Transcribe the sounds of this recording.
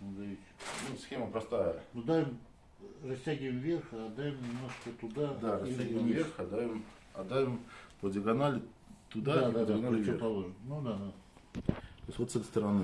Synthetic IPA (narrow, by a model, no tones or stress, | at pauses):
nud̪aisʲnusxʲe̞məpɾɐst̪ajənʊd̪avʲɪm | rɐsʲtʲæɡʲɪvɪmvʲerxaɐd̪ːavʲɪmnʲɪmnoʂkət̪ʊd̪ad̪aɾɐstʲaɡʲɪvəmvvʲerxɐd̪d̪ːavʲɪm | ɐ̰d̪ːajʲɪmpədʲɪɐɡɐnalʲɪ | t̪ʊd̪ad̪d̪ʲɡanalʲɪvʲɾpɐloʐnud̪ad̪a | tt̪oɪsʲvot̪sɛt̪əɪst̪əɾɐnɨ